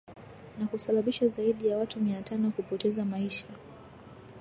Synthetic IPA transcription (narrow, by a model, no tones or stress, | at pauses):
nakusaɓaɓiʃazaiɗijawatumiatanɔkupɔtɛzamaiʃa